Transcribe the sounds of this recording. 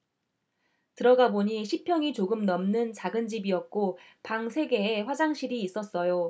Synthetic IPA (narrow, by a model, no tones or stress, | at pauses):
tɯɾʌɡaboɲiɕʰipʰjʌŋit͡ɕoɡɯmnʌmnɯnt͡ɕaɡɯnd͡ʑibiʌt̚k͈opaŋsʰe̞ɡe̞ːɸwad͡ʑaŋɕʰiɾiːs͈ʌs͈ʌjo